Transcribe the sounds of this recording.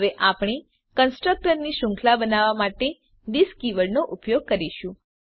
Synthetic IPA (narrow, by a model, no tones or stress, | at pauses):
ʋeʔapɳ̃i | kənsʈɾək̚ʈəɾniʃʊ̃ŋkʰlabənaʋamaʈe | ɖiskiʋəɭnoʔupjoɡ̚kəɾiʃũ